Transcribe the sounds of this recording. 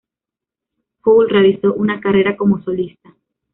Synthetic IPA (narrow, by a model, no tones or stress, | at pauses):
kowlrealiso̞ʔunakare̞ɾako̞moso̞list̪a